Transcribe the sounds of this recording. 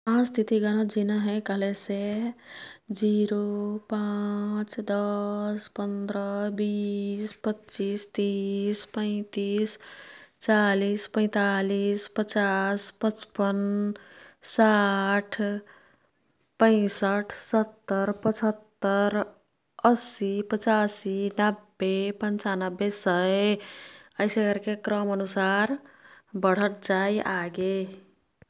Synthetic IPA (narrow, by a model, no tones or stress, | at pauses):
ãst̪ʰit̪iɡəñəd͡ʒinəɦɛ̃kəɦlese | d͡ʒiɾopat͡ʃd̪əspənd̪ɾəbispətːt͡ʃist̪ispə̃ɪ̃t̪ist͡ʃalispə̃ɪ̃t̪alispət͡ʃaspət͡ʃpən | saʈʰ | pə̃ɪ̃səʈʰsət̪ːəɾpət͡ʃʰət̪ːəɾ | əsipət͡ʃasinəbːepənt͡ʃanəbːesəe | əjseɡəɾkekɾəmənusaɾbəɽ̤ət̪̚d͡ʒajʔaɡe